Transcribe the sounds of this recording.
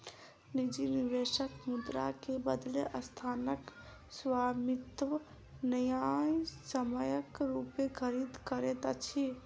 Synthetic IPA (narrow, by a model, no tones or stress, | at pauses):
nid͡ʒiniʋeʃəkmud̪ɾa̰kebəd̪leʔəst̪ʰanək | swamit̪ʋə | nəjajsəməjəkɾupekʰəɾid̪kəɾet̪at͡ʃʰi